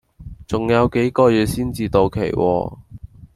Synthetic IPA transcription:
t͡sʊ˨ŋjɐ˨˧wke˨˥jkɔː˧jyː˨˧t̚siː˥nt͡siː˨˧t̪o˨wkʰḛ˨˩jwʔɔ̰ː˧

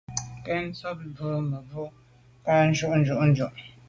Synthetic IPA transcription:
kɛ˦n̩˦t͡sɔ˦p̚bə˨˦mə˨bu˦ | pa˦n̩˦d͡ʒu˦˨ʔn̩˦d͡ʒu˦˨ʔn̩˦d͡ʒu˨ʔ

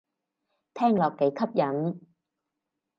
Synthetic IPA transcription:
t̪ʰɛː˥˩ŋlɔː˨k̚ke˨˥jkʰɐ˥p̚jɐ˨˥n

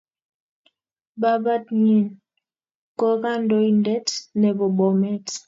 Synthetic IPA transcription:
ba˦ba˦tɲi˦˨n | kɔ˦ɣa˦ndɔ˦i˦ndɛ˦tnɛ˨bɔ˨ɓɔ˨mɛ˦t

